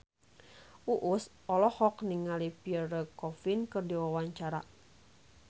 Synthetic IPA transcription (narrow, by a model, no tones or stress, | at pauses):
ʔuʔus | ɔlɔhɔkniŋalipiərəkɔfinkɨrdiwawaɲt͡ʃaɾa̰